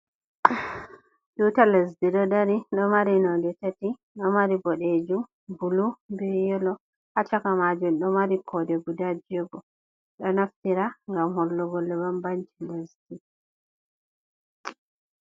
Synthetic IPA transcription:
dutalesdiɗɔdaɾiɗɔmaɾinɔdɛtati | ɗɔmaɾibɔɗed͡ʒum | bulubɛjɔlɔ | hat͡ʃakamad͡ʒumɗɔmaɾikʰɔdɛbudad͡ʒiɔɡɔ | ɗɔnaftiɾaŋɡamhɔlːɔɡɔlːɛbambant͡ʃilesdi

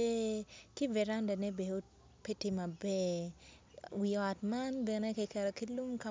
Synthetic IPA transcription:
ekɪvɛɾandanɛbeo | petɪmabɛ | wiɔtmanbɛnɛkekɛɾɔkilumka

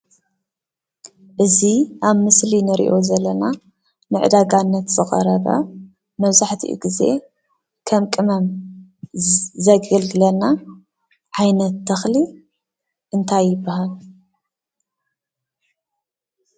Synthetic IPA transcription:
ʔɨziʔaβmɨslinɨɾḭʔo̞zɐlːɐna | nɨʕɨ̰d̪aɡanːɐt̪zɨχʼɐ̰ɾɐβa̰ | mɐβzaħt̪ʰḭʔṵɡize̞̰ | kʰɐmkʼɨmɐm | zɐɡɐlɡɨlɐlna | ʕajnɐt̪ʰːɐxli | ʔɨnt̪ʰajːɪbːahal

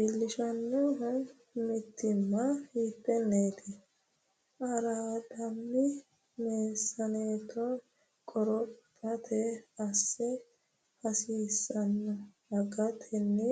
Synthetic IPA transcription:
bɪlːɪʃɐnːɔɦʊ | mɪt̪ːɪmːɐhiːpːɛnːeːt̪ʰɛ | ʔɐɾawɐd̪ɐmːɪ | meːsːɐneːt̪ɔ | kʼɔɾɔpʼːɐt̪ʰɛɐsːɛ | hɐsiːsːɐnːɔ | ɐɡɐt̪ʰɛnːɛ

